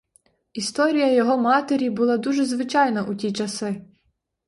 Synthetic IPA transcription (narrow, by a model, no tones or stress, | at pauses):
ist̪ɔɾʲijɐjɔɦɔmɑt̪eɾʲibʊlˠɑd̪uʒɛzʋɪt͡ʃɑjnɐʔutʲit͡ʃɐsɪ